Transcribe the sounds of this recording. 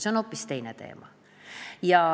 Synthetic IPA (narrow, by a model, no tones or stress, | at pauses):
seonopːˑist̪e̞jnet̪ḛːmɑ̰ | jɑ